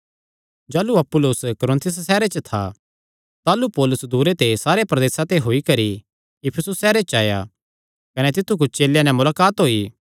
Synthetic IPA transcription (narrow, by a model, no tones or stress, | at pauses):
d͡ʒaːluɐpːʊlʊskɔɾɪ̃nt̪ʰɪs̬sɛːɾet͡ʃət̪ʰa̰ | t̪aːlupɔːlʊsd̪uːɾet̪esaːɾepɾɐd̪eːsãt̪eɦoːikɐɾi | jɪpʰəsʊsːɛːɾet͡ʃaːja̰ | kɐnɛt̪ɪt̪ʰːuk̬ʊt͡ʃʰt͡ʃeːljãnɛmʊlaːkaːt̪ɦoːiː